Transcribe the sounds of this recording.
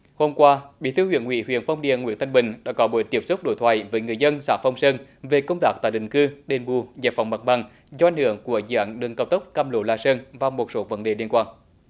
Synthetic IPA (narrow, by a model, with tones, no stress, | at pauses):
ho˧mkwaː˧ɓḭ˧˥t̪ʰɨ˧hwi˧˨ənŋwḭ˧˥˦hwi˧˨ənfa˧wŋ͡mɗḭ˧˨ənŋwḭ˧˨˥ənt̪ʰa˧ŋ̟ɓï˨˩ŋ̟ɗa̰ː˧˥kɔ˨˦ɓu˧˩˦jt̪i˦˥əpsu˦˥k͡p̚ɗo̰˧˩jt̪ʰwa̰ː˧˨jvəː˨˦jŋɨ˨˩əjzə˧nsaː˧˩fa˧wŋ͡msəː˧nve˨˩kə˧wŋ͡mt̪aː˦˥k̚t̪a̰ː˧˨jɗï˨˩ŋ̟kɨ˧ɗe˨˩nɓu˨˩zaː˨˩p̚fa˨˩wŋ͡mma˨˩k̚ɓa˨˩ŋ | zɔ˧a˨jŋhɨ̰˧˩əŋku˧˩əzɨ̰˧ʔa˨˦nɗɨ˨˩ŋkaː˧˩wt̪ə˦˥k͡p̚kaː˧mlo˨˦laː˧səː˧nvaː˨˩wmo˨˩t̚so˨˦və˨˦nɗe˨˩li˧ənkwaː˧n